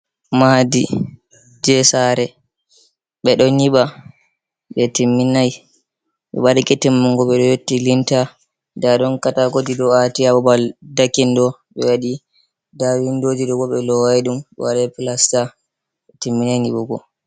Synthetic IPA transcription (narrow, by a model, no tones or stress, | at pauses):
madi | d͡ʒɛsaɾɛ | ɓɛɗɔniɓa | ɓɛtimːinaj | ɓɛ̰ɓadakɛtimːuŋɡɔɓɛɗɔjotːilinta | daɗɔnkataɡodidɔatiaɓɔbaldakːindɔ | ɓɛwaɗi | dawindod͡ʒidɔɡɔɓɛlɔwajɗumɛ̰waɗapilasta | ɓɛtimːinajniɓɔɡɔ̰